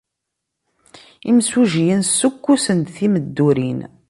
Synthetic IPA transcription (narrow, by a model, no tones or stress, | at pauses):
imsuʒjənsukːusənt̪θiməd̪ːuɾin